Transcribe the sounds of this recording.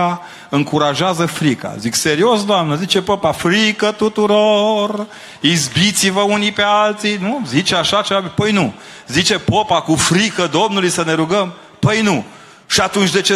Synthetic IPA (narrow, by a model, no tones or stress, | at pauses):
a | ɨŋkuɾaʒeazəfɾika̰zikse̞ɾio̞sd̪oamnəzit͡ʃe̞popafɾikət̪ut̪uɾor | izbit̪sivəunipe̞alt̪sijnuzit͡ʃeaʃat͡ʃevabpəjnu | zit͡ʃe̞popakufɾikəd̪o̞mnulujsəne̞ɾuɡəm | pəjnu | ʃiat̪unt͡ʃʲd̪e̞t͡ʃe